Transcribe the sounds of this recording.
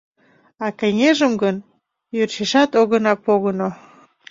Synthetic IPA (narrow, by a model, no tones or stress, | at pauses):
ɑkeŋeʒəmɡən | jørt͡ɕeʃɑt̪oɣənɑpoɣəno